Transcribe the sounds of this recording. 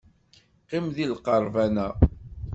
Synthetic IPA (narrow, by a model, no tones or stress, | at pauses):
qɪmðilqɑɾˤvænæ